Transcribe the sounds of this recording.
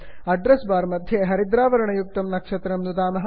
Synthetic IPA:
ɐɖɾɐsbaːɾmɐd̪ʱjɐɦɐɾid̪ɾaːʋɐɾɐɳɐjuk̚t̪ɐmnɐkʂɐt̪ɾɐmnud̪aːmɐɦɐ

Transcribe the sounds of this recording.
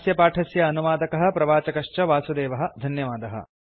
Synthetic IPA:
sjɐpaːʈʰɐsjɐːnuʋaːd̪ɐkɐɦɐ̆pɾɐʋaːt͡ʃɐkɐʂt͡ʃɐʋaːsud̪eːʋɐɦɐ̆d̪ʱɐnjɐʋaːd̪ɐɦɐ̰

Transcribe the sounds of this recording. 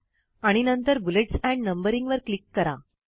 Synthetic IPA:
aɽ̃inənt̪əɾbuleʈsɛ̃ɳɖnəmbəɾĩŋɡʋəɾklikːəɾa

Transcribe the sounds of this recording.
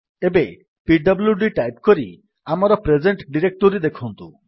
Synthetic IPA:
ebe | piɖɔbljuɖiʈajp̚kɔɾi | amɔɾɔpɾed͡ʒeɳʈɖiɾek̚ʈoɾid̪ekʰɔnt̪ṵ

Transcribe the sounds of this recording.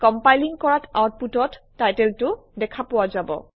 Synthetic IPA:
kɔmpajliŋkɔɹatʰawt̚putɔttːajtɛltʊdɛkʰapʊwazabɔ̰

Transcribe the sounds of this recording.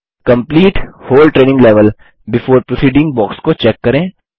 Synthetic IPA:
kɐ̃mpliːʈhoːlʈɾeːnɪ̃ŋɡlɛʋəl | bɪfoːɾpɾosiːɖɪ̃ŋɡ̚bɔːkskot͡ʃɛːkːɐɾẽː

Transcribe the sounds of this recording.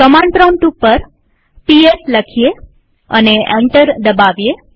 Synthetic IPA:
kəmaɳpɾaɳʈupːəɾ | piesləkʰije | ə̰neẽɳʈəɾd̪əbaʋije

